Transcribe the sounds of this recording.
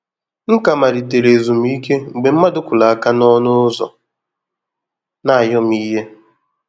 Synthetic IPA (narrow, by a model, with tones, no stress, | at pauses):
ŋ̩˦ka˨ma˨ɾi˨te˨ɾe˨zu˨m̩˦i˦ke˦ŋ͡m̩˨ɡ͡be˨m̩˦ma˦dʊ˦kʷʊ˨la˨a˨ka˦nɔ˦nʊ˦zɔ̰˨ | na˦˨jɔ˦m˦i˦ɦe˦